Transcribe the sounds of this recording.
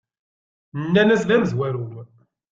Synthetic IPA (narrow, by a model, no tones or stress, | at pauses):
nnːænæsnæməzwæɾuw